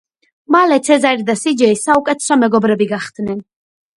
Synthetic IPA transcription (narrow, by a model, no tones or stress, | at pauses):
malɛt̪sʰɛzaɾd̪asid͡ʒɛisaukʼɛt̪ʰɛ̥sɔmɛɡɔbɾɛbiɡaχd̪nɛn